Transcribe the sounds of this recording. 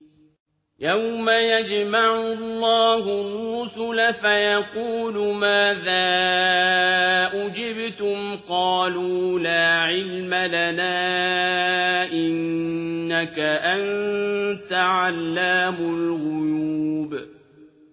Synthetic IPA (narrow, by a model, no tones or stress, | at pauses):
jawmajad͡ʒmaʕʊlːɑːɦʊrːʊsʊlafajɑquːlʊmaːðaː | ʔʊd͡ʒɪbt̪ʊmqɑːluːlaːʕɪlmalanaː | ʔɪnː | akaʔant̪aʕalːaːmʊlɣʊjuuːb